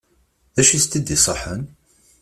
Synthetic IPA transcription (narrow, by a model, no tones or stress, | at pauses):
ðæʃist̪id̪isˤəħən